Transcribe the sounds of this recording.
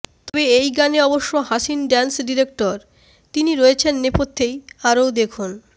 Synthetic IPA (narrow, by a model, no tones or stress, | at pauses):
t̪ɔbeejɡaneɔboʃːoɦaʃinɖɛnsɖiɾek̚ʈoɾ | t̪iniɾoet͡ɕʰenːepot̪ʰːejaɾowd̪ekʰun